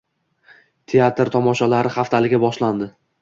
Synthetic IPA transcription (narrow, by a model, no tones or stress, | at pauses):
t̪ʰe̞at̪ɾt̪ʰɒmɒʃalaɾɪχaft̪ʰalɪɡʲabɒʃland̪ɪ